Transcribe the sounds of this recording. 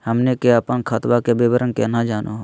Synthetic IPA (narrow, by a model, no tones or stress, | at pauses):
həmnekeəpənkʰaːt̪wakebeːbəɾənkenad͡ʒaːnʔoɦo